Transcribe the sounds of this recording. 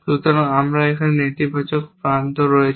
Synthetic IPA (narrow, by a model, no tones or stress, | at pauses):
ʃut̪ɔɾaŋamɾaekʰanenet̪ibat͡ɕokpɾand̪ʱoɾɔjet͡ɕʰ